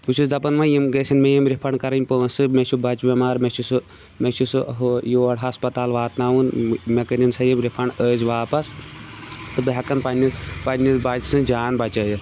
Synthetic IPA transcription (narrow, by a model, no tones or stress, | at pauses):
put͡ʃʰusd̪ɐpɐnʋɐjimɡeːsʲinmejimɾipʰɐɳkɐɾɐnʲpəːnsɨmet͡ʃʰubɐt͡ʃbʲɐmaːɾmet͡ʃʰusɨ | met͡ʃʰusɨɦojoːɐɽɦɐspɐt̪aːlʋaːt̪naːʋunmekɐɾinsɐjimɾipʰɐɳɖəːzʋaːpɐs | t̪ɨbɐɦɐkɐnpɐnipɐnʲibɐd͡ʒsɨ̃d͡ʒaːnbɐt͡ʃɐːjɨ